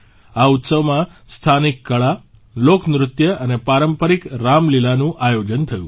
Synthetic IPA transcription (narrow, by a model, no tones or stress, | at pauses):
aut̪səʋmãst̪ʰanikːəɭa | loknɾʊt̪jəʔənepaɾəmpəɾikɾamlilanũʔajod͡ʒənt̪ʰəjũ